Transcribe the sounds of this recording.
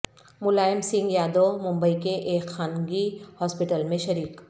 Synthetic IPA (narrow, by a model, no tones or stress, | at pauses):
mʊlaːjɪmsɪ̃ŋɡjaːd̪omʊ̃mbəikeʔeːkxaːnɡihɔːspɪʈəlmẽʃɐɾiːk